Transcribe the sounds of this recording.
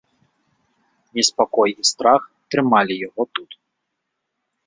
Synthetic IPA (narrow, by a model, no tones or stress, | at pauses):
nʲɛspakɔjist̪ɾaxt̪ɾɨmalʲijaɣɔt̪ut̪